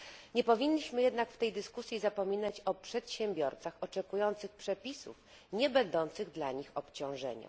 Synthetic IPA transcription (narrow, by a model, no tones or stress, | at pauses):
ɲɛpɔvʲinʲːiɕmɘjɛd̪nakft̪ɛjd̪ɘskusʲjizapɔmʲinat͡ɕɔpʂɛt̪ɕɛmbʲjɔɾt̪saxɔt͡ʂɛkujɔnt̪sɘxpʂɛpʲisṵf | ɲɛbɛnd̪ɔnt̪sɘɣd̪laɲixɔpt͡ɕɔ̃w̃ʐɛ̰ɲa̰